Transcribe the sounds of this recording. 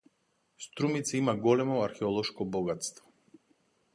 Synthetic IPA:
st̪ɾumit̪saimaɡɔlɛmɔaɾxɛɔlˠɔʃkɔbɔɡat̪st̪vɔ̥

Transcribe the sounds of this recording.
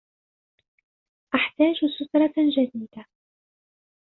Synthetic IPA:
ʔaħt̪aːd͡ʒsʊt̪ɾˤɑd͡ʒad̪iːd̪a

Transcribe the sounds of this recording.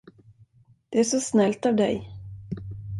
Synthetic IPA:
d̪̥ɛæʂɔsnɛlt̪avd̪ɛ̰j

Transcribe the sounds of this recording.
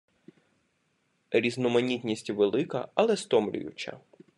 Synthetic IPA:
ɾʲiznɔmɐnʲit̪ʲnʲisʲtʲʋelˠɪkɐ̰ɐlˠɛst̪ɔmlʲʊ̰jʊ̰t͡ʃɐ̰

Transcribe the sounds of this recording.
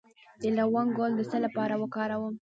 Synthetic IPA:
d̪̥əlɾawɑnɡold̪əsəlapɑɾawəkɑɾawəm

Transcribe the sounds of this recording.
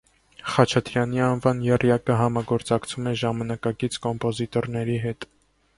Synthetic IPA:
χɑt͡ʃʰɑt̪ɾjɑniɑnvɑnjɛrjɑkəɦɑmɑɡɔɾt͡sɑkt͡sʰumɛʒɑmɑnɑkɑkit͡sʰkɔmpɔzit̪ɔɾnɛɾiɦɛt̪

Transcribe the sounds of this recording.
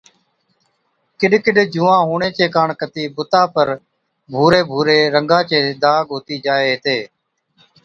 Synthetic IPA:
kɪɗkɪɗd͡ʒuːãːɦuːɳẽːt͡ʃeːkaːɳkət̪iːbʊt̪aːpəɾ | bʱuːɾeːbʱuːɾeːɾəŋɡãːt͡ʃeːd̪aːɡʱoːt̪iːd͡ʒaːeːɦt̪eː

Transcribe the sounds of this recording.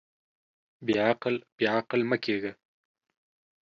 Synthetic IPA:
beaqəlb̥eaqəlməkʰeɡə

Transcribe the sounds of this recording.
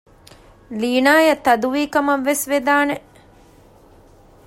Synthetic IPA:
liːnaːjɐt̪ɐd̪uʋiːkɐmɐʋːesʋed̪aːne

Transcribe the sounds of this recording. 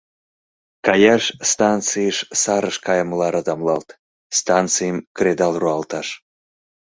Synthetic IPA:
kɑjɑʃst̪ɑnt͡sɨjʃsɑɾəʃkɑjəmlɑɾɑd̪ɑmlɑlt̪ | st̪ɑnt͡sɨjəmkɾed̪ɑlˠruɑlt̪ɑʃ

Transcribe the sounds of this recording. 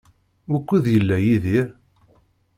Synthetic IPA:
wækʷːiðjəlːæjiðiɾ

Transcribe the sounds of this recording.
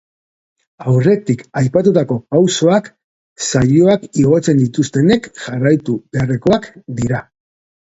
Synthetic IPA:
awre̞t̪ikajpat̪ut̪ako̞kawso̞ak | sajoakiɣ̞o̞t͡se̞nd̪it̪ust̪e̞ne̞kʝarajt̪ubereko̞akd̪iɾa

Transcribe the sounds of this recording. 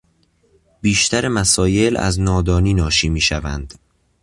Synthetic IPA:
b̥iːʃt̪ʰæɾemæsɒːje̞læ̰znɒːd̪ɒːniːnɒːʃiːmiːʃævænd̪̥

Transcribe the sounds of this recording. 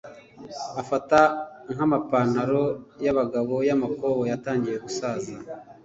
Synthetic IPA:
afataŋ̥amapaːn̥aɾo̞jaβaɡaβo̞jamakoβojataːɲɟije̞ɡusaːza

